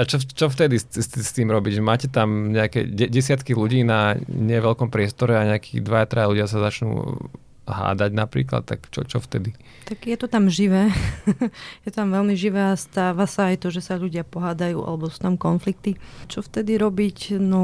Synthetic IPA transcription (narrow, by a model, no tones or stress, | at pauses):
at͡ʃɔt͡ʃɔft̪ɛd̪isst̪st̪iːmɾɔbiɟmaːcɛt̪amɲɛakɛ̰ɟɛɟɛsɪat̪kiluɟiːnaɲɪɛʋɛʎkɔmpɾɪɛst̪ɔɾɛaɲɛakiːd̪ʋajat̪ɾaluɟɪasazat͡ʃnṵː | ɦa̰ːd̪aɟnapɾḭːkla̰t̪̚t̪ːa̰kt͡ʃɔ̰t͡ʃɔft̪ɛd̪i | t̪aɡjɛt̪ɔt̪amʒiʋɛː | jɛt̪t̪amʋɛlmiʒiʋɛːast̪aːʋasaːjt̪ɔʒɛsaʎuɟɪapɔɦaːd̪ajṵːʔa̰lɛbɔsu̥ːt̪amkɔnflik̚t̪it͡ʃɔft̪ɛd̪iɾɔbicnɔ